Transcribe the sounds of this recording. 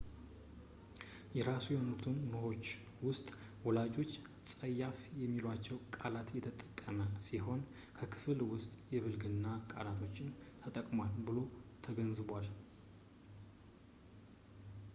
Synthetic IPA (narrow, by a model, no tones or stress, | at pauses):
jɛɾasujɛhonut̪ʰɨnːɨho̞t͡ʃː | wʊst̪ʼ | wɔlad͡ʒo̞t͡ʃː | sʼəjːafjɛmːilat͡ʃːɛwkʼalat̪jɛt̪ʰət̪ʼəkʼːəməsiɦo̞n | kʰəkʰɨ̥fɨlwʊst̪ʼjɛβɨlɡɨnːakʼa̰lat̪ʰo̞t͡ʃːɪnt̪ʰət̪ʼəkʼmwalbɨlo̞t̪ʰəɡənzɨβʷal